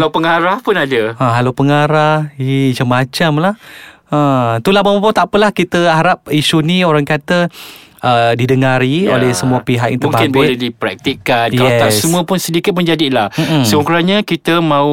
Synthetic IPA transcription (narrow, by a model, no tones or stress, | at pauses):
lapəŋaɾahpʊnadəaɦalawpəŋaɾahid͡ʒəmat͡ʃamlahət̪ulabamabat̪aʔpəlahkit̪əaɾap̚isunioɾaŋkat̪əədidəŋaɾio̰lɛhsəmuəpiɦak̚jãŋtməũŋbaknbolɛdipɾɛk̚t̪ikankɛt̪asəmuəpʊnsədikɪt̪̚məɲd͡ʒadilahm̩m̩səuŋkɾaɲakit̪əmãu